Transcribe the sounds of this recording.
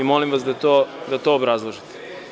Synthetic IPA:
imo̞limʋasd̪at̪od̪at̪oːbɾazlˠoʒit̪e̥

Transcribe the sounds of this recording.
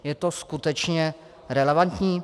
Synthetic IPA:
jɛt̪oskut̪ɛt͡ʃɲɛ | ɾɛlɛvant̪ɲiː

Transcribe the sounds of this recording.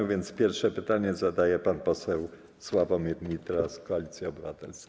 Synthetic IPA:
vʲjɛnt̪spʲjɛɾfʂɛpɘt̪aɲɛzad̪ajɛpanpɔsɛw | swavɔmʲjed̪ɲit̪ɾaskɔalʲit̪sʲjɛɔbɘvat̪ɛlskʲ

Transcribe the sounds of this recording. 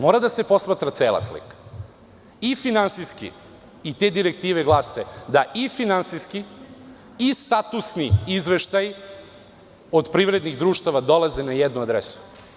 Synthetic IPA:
mo̞ːɾad̪asepo̞smat̪ɾat̪seːla̰slḭkḁ | ifinansiskḭ | it̪ed̪iɾek̚t̪iːʋeɡlˠased̪aʔifinansiski | ist̪at̪usniizʋeʃt̪aj | o̞d̪pɾiʋɾed̪niɣd̪ɾuːʃt̪aʋad̪o̞lˠazenajɛd̪nuad̪ɾesu̥

